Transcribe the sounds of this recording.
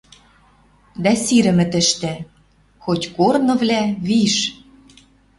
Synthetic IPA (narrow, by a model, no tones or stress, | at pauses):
d̪æsiɾɘ̆mɘ̆t̪ɘ̆ʃt̪ɘ̆ | xotʲkornɤ̆vlæβiʃ